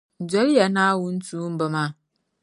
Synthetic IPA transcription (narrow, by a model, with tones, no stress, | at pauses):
d͡ʒɔ˦lja˨na˦wʊ˦n̩˦tuː˦m̩˦bə˨mã˦